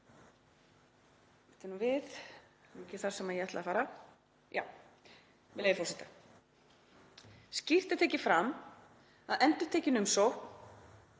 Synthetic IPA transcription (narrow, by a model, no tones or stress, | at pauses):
ɛht̪ɪnuvɪθɛcɪθaɾ̥sɛmːajɛɛht̪la̰ːfaːɾa | ja̰w | vɪlejðɾfoːwsit̪ḁ | scir̥t̪ḁt̪ʰeːcɪfɾam | aðɛnt̪ʏ̥t̪ʰeːcɪnʏmsɔ